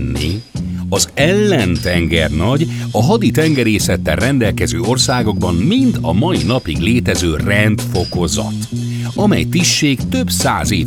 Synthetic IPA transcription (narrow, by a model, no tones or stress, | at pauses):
nːḭ | ɒzɛlːɛnt̪ɛŋɡɛrnɒɟ | ɒɦɒd̪it̪ɛŋɡɛɾeːsɛt̪ːɛ̰rrɛnd̪ɛlkɛzøːo̞rsaːɡo̞ɡbɒmmind̪ɒmɒjinɒpiɡleːt̪ɛzøːrɛnt̪fo̞ko̞zɒ̰t̪ | ɒmɛ̰jt̪iʃːeːkt̪ø̞bsaːzḛː